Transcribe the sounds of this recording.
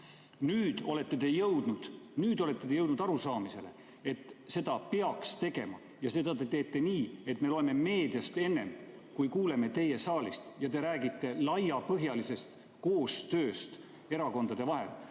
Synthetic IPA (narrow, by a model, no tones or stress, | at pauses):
nyːd̪̥o̞le̞t̪ːe̞t̪e̞jɤwd̪̥nud̪̥nyːd̪o̞le̞t̪ːe̞t̪ejɤwd̪nud̪̥ɑɾusɑːmise̞̰le | e̞t̪ːˑse̞d̪̥ɑpeɑkst̪e̞ɡ̥e̞mɑ̰ | jɑse̞d̪ɑt̪e̞t̪e̞ːt̪ːˑe̞niːe̞t̪ːˑme̞lo̞eme̞me̞ːd̪̥jɑst̪e̞nːe̞mkujkuːle̞me̞t̪e̞je̞sɑːlist̪jɑt̪e̞ɾæːɡit̪ːe̞lɑjɑpɤɦjɑlise̞st̪ | ko̞ːst̪ø̞ːst̪ | e̞ɾɑko̞nd̪̥ɑd̪e̞vɑɦe̞̰l